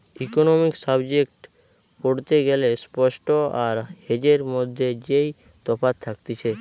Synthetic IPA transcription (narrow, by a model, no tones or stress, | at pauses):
ikonomiksəbd͡ʑekʈ | poɽt̪eɡelespɔʃʈoaɾhed͡ʑeɾmod̪ʱːed͡ʒej | t̪ɔfat̪ʰːakt̪it͡ɕʰe